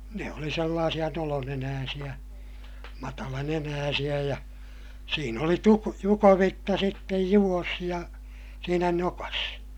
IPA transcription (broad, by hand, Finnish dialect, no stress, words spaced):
ne oli selːɑːsij̆ɑ nolonenæːsij̆æ mɑtɑlɑnenæːsij̆æ jɑ siːn oli tu jukoʋitːɑ sitːej juʋ̆os jɑ siːnæ nokɑs